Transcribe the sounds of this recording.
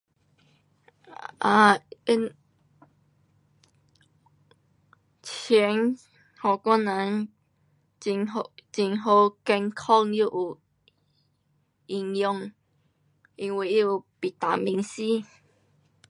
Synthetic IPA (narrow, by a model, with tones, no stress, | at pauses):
a˧˩i˦˥n | t͡ɕʰi˨˦n | hɔ˨˩kã˦nã˨˦ŋ | i˧ŋot͡ɕi˧ŋɦo˧kɛ˧ŋkʰɔ˥˧ŋju˦˧˨ʔu˨ | i˧ŋjɔ˧ŋ | i˧ŋwi˧˩i˦u˨pi˨t̪a˨mi˧ŋsi˦